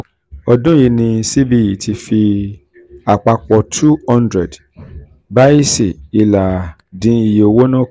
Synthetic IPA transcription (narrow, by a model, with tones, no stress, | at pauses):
ɔ˧dũ˦ji˧nĩ˧si˦bi˦˧ji˨tʰi˧fi˧ | a˨k͡pa˧k͡pɔ˧tʰu˦hɔ̃˦ndɾɛ˨d | ba˦i˦si˨i˨la˨ | dĩ˨˦i˨jo˧wo˦nã˦˨